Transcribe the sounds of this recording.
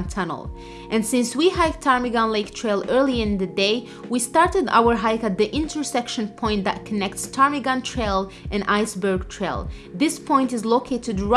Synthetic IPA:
ntʰʌnə̰l̩ˠ | ʔɨ̃nsɪ̃nswiɦaɪk̚tʰaɹmiɡɑ̃nleɪktʰɹ̥eɪlˠɜ˞lˠiɪ̃nðɨdeɪ | wistɑɹtɨda̰wə˞ɦaɪkæt̪̚ðiʔɪ̃ntʰə˞sɛkʃə̃npʰɔ̃ɪ̃nðæ̰t̚kʰənɛk̚tstʰɑɹmiɡɑ̃ntʰɹeɪlˠʔɨ̃nʔaɪsbə˞ɡ̚tʰɹ̥eɪ̰lˠðɪspʰɔ̃ɪ̃ntɨzloʊkʰeɪɾɨdɹ

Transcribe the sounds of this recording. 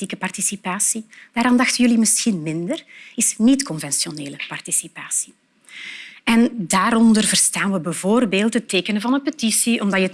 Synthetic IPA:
ikəpɑrtisipaːsid̥aːɾaːndɑxtənjɵlimɪsxinmɪndərɪsnitkɔnvɛnsjoneːləpɑrtisipaːsi̥ | ɛndaːɾɔndərvərstaːnʋəbəvoːrbeːlˠtɦətːeːkənəvɑnənpətisiʔɔmdɑtjə

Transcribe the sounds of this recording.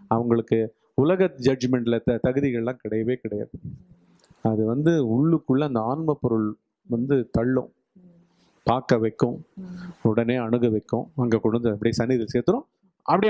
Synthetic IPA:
ɐʋɐŋɡɐɭɯkːɯ | ʊlɐɣɐd͡ʒɐd͡ʒmɛɳɖɪlɐt̪ɐɣɯðɪɣɐɭɛlãːkɪɽɐjɐʋeːkɪɽɐja̰ːðɯ | ɐðɯʋɐnd̪ɯʊɭːɯkːɯɭːɐɐnd̪ɐaːnmɐpːɔɾɯɭ | ʋɐnd̪ɯt̪ɐɭːʊ̰̃ | paːkɐʋɐɪkːʊ̃ | ʊɽɐneːɐɳɯɣɐʋɐɪkːʊ̃ɐŋɡɐkʊɽʊnd̪ɯɐpːɐɽɪjsɐnːɪðɪlseːɾt̪ːɯɾʊ̃ | ɐpːɐɽɪ

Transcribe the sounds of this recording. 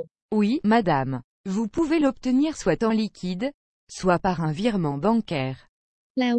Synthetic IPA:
wimad̪am | vupuvelɔp̚t̪əniʁswat̪ɑ̃likʲʰid̪ | swapaʁɛ̃viʁmɑ̃bɑ̃kʲɛːʁ | la

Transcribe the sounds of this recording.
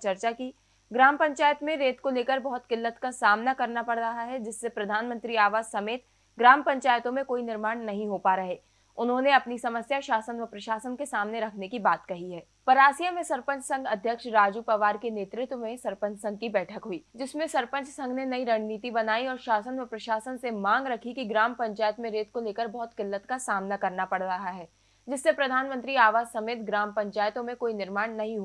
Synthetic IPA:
t͡ʃɐɾt͡ʃaki | ɡɾaːmpɐ̃ɲt͡ʃaːjət̪mẽɾeːt̪koleːkəɾbɐɦʊt̪kɪlːət̪kasaːmnakɐɾnapɐɽɾɐɦaɦɛd͡ʒɪsːepɾɐd̪ʱaːnmə̃nt̪ɾiaːʋaːzsɐmeːt̪ | ɡɾaːmpɐ̃ɲt͡ʃaːjət̪õmẽkoːinɪɾmaːɽnɐɦĩɦopaːɾɐɦeː | ʊnɦõneɐpnisɐməsjaʃaːsənʋəpɾɐʃaːsənkesaːmneɾɐkʰnekibaːt̪kɐɦiɦɛː | pɐɾaːsijamẽsɐɾpə̃ɲt͡ʃsɐ̃ŋɡɐd̪ʱjəkʃɾaːd͡ʒupɐʋaːɾkeneːt̪ɾɪt̪wmẽsɐɾpə̃ɲt͡ʃsɐ̃ŋɡ̚kibɛːʈʰəkɦuiːd͡ʒɪsmẽsɐɾpə̃ɲt͡ʃsɐ̃ŋɡnenɐiɾɐɽ̃niːt̪ibɐnaːiɔːɾʃaːsənʋəpɾɐʃaːsənsemãːŋɡɾɐkʰikiɡɾaːmpɐ̃ɲt͡ʃaːjət̪mẽɾeːt̪̚koleːkəɾbɔɦʊt̪kɪlːət̪kasaːmnakɐɾnapɐɽɾɐɦaɦɛː | d͡ʒɪsːepɾɐd̪ʱaːnmə̃nt̪ɾiaːʋaːzsɐmeːt̪ɡɾaːmpɐ̃ɲt͡ʃaːjət̪õmẽkoːinɪɾmaːɽ̃nɐɦĩɦu

